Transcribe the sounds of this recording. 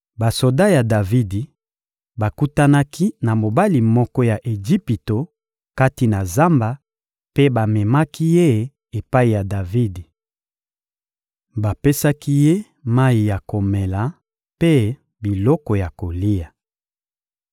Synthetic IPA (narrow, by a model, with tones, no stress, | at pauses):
ba˨so˨da˦ja˨da˨vi˦di˨ | ba˨ku˦ta˦na˦ki˦na˨mo˨ba˦li˨mɔ˦kɔ˦ja˨ʔe˨d͡ʒi˦pi˨to˨ | ka˦ti˨na˨za˦mba˨ | pe˦ba˨mɛ˨ma˦ki˦je˦ | e˨pa˦i˨ja˨da˨vi˦di˨ | ba˨pe˦sa˦ki˦je˦ | ma˦i˨ja˨ko˨me˨la˨ | pe˦ | bi˨lɔ˦kɔ˨ja˨ko˨li˦ja˨